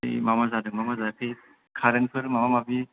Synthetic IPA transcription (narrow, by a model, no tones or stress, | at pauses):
j̰mamazadɯŋmamazakʰɯj | kʰaɾɯnpʰɯɾmamamabi